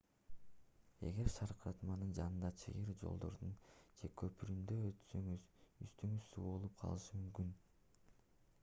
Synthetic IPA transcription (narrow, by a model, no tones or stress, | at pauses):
e̞̰ɡe̞ɾʃɑɾqɾɑt̪mɑnɯnd͡ʒɑnɯnd̪ɑt͡ʃʰɯ̰jɯɾd͡ʒo̞̰lˠd̪o̞̰ɾd̪und͡ʒe̞kʰø̞pyɾymd̪øzyst̪yŋyz̥sṵːbo̞lˠup̚qʰɑ̰lˠɯʃɯmymkyn